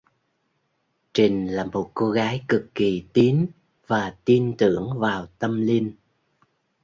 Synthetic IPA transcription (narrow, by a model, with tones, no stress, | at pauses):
t͡ɕï˨˩ŋ̟laː˨˩mo˨˩t̚ko˧ɣaː˨˦jkɨ˨˩kːi˨˩t̪i˨˦n | vaː˨˩t̪i˧nt̪ɨ̰˧˩əŋvaː˨˩wt̪ə˧mli˧n